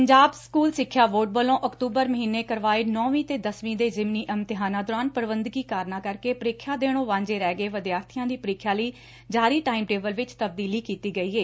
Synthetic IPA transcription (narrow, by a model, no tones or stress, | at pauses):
pəɲd͡ʒaːbskuːlsɪkʰːjaːʋoːʈ̚bəlõːʔəkt̪uːbəɾməɦiːneːkəɾʋaːeːnɔːʋĩːt̪eːd̪əsʋĩːd̪eːzɪmniːʔəmt̪ɪɦaːnãːd̪oːɾaːnpəɾʋənd̪ɡiːkaːɾnãːkəɾkeːpəɾɪːkʰːjaːd̪eːɽ̃õːʋãːɲd͡ʒeːɾɛːɡəeːʋəd̪jaːɾt̪ʰijãːd̪iːpəɾɪːkʰːjaːləiː | d͡ʒaːɾiːʈaːimʈeːʋəlʋɪt͡ʃt̪əb̚d̪iːliːkiːt̪iːɡəiːeː